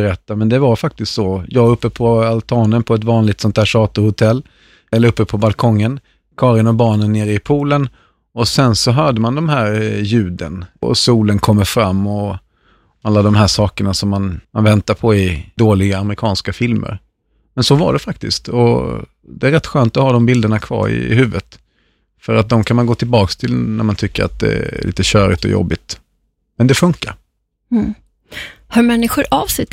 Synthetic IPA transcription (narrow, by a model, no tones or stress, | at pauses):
ɾɛt̪ːamɛnd̪ɛvaɾfak̚t̪ɪst̪sɔjɑːɡɾɵpːəpʰɔalt̪ʰɑːnənpʰɔɛt̪vɑːnlɪk̚t̪sɔnt̪ʰæːʂɑːt̪ʊhʊt̪ʰɛlː | ɛlːəɾɵpːəpʰɔbalkʰɔŋːən | kʰɑːɾɪnɔbɑːnənːeːɾɪpʰuːlən | ɔsɛnsɔɦœːɖəmand̪ɔmɦæːɾjʉ̟ːd̪ə̰nɔ̰suːlənkʰɔmːəfɾamːɔ | alːad̪ɔmɦæːʂɑːkəɳasɔmːanmanvɛnt̪aɾpʰɔɪd̪oːlɪɡaːmɾɪkʰɑːnskafɪlmʔə̰ɾ | mɛnsɔva̰ɖɛfak̚t̪ɪst̪ʰɔ̰ | d̪ɛæɾɛt̪ːɧøːnt̪ɔhɑːd̪ɔmbɪld̪əɳakʰvɑ̰ːɾɪ̰ɪ̰ɦʉ̟ːvət̪ | fœɾat̪̚d̪ɔmkʰanmanɡoːt̪ʰɪlbɑːkst̪ʰɪlnæ̰ɾmant̪ʰʏkːəɾa̰t̪̚d̪ɛ̰lʔḭːt̪əɕœːɾɪt̪ɔ̰jɔ̰bːɪt̪ | mɛnd̪ɛfɵŋkːa̰ɾ̩ | hœɾmɛnːɪɧʊɾʔavsɛ